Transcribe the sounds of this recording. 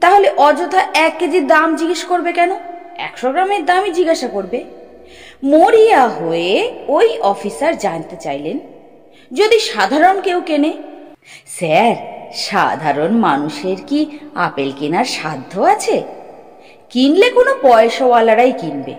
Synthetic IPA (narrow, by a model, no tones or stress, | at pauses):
t̪aɦoleʔɔd͡ʑot̪ʰaʔɛkːed͡ʑid̪amd͡ʑiɡeʃkoɾbekɛnoɛ̰kʃoɡɾameɾd̪amid͡ʑiɡaʃakoɾbe | moɾijaɦoeojɔfisaɾd͡ʑant̪et͡ɕajlen | d͡ʑod̪iʃad̪ʱaɾonkewkene | sɛɾʃa̰d̪ʱaɾonmanuʃeɾkia̰pelkenaɾʃad̪ʱːoat͡ɕʰe | kinlekonopɔeʃowalaɾajkinbḛ